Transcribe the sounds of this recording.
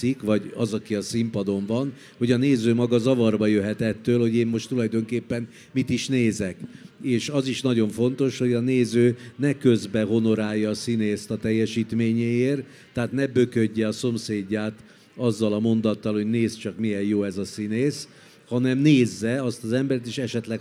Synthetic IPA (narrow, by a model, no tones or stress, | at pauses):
ikʋɒɟɒzɒkiɒsimpɒd̪o̞ɱvɒn | ho̞ɟɒneːzøːmɒɡɒzɒvɒrbɒjøɦɛt̪ɛt̪ːøːlho̞ɟeːmːo̞ʃt̪ulɒjd̪o̞ŋkeːpːɛn | mit̪iʃneːzɛkeːʃɒziʃnɒɟo̞ɱfo̞n̪t̪o̞ʃho̞ɟɒneːzøːnɛkø̞zbɛɦo̞no̞ɾaːjːɒːsineːst̪ɒt̪ɛjːɛʃiːt̪meːɲeːeːrt̪ː | ɛaːt̪nɛbø̞køɟːɛɒso̞mseːɟːaːt̪ | ɒzːɒlɒmo̞nd̪ɒt̪ːɒlho̞ɟneːst͡ʃɒkmijɛjjoːɛzɒsineːs | hɒnɛmneːzːɛɒst̪ɒzɛmbɛɾɛt̪eːʃɛʃɛt̪lɛk